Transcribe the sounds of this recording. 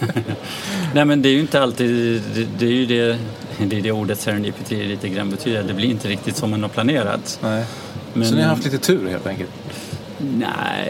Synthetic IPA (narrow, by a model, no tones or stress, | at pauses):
nɛːmɛnd̪ɛæɾjʏɪnt̪əalt̪iːd̪ɛd̪ɛæɾjɵd̪ɛ | d̪ɛːɖɛuːɖət̪sɛɾɛniːpʰɵt̪ʰiːliːt̪əɡɾa̰nːbɛt̪ʰyːd̪əɾat̪̚d̪ɛblɪɾɪnt̪əɾɪk̚t̪ɪt̪sɔmːanɔpʰlaneːɾa̰t̪ | mɛnɔnɪhaɾhaft̪liːt̪ət̪ʰʉ̟ːɾhḛlt̪ʰɛŋkə̰lt̪ | næ̰ɪ